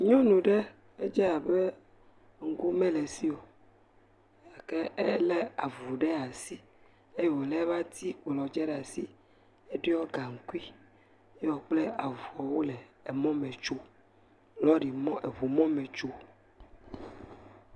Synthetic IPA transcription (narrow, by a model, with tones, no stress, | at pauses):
ɲɔ̃˦nũ˨ɖe˦ | e˦d͡ʒɛ˦a˨be˦ | ŋ̩˦ɡu˦mɛ̃˦le˨si˦o˨˦˨ | ke˦e˦le˦a˨vu˨ɖɛ˦a˨si˦ | e˦jo˨lɛ˦va˦t̪i˦k͡plɔ˨d͡ʒɛ˦ɖɛ˦˨a˨si˦ | e˦ɖɛ˦ɔ˦ɡa˨ŋ̩˨ku˦i˦ | jɛ˦wo˨k͡ple˦a˨vu˨ɔ˨wo˦lɛː˨mɔ̃˦mẽ˨t͡ʃo˦ | lɔ˦ɖi˨mɔ̃˦e˨βu˨mɔ̃˦mẽ˨t͡ʃo˦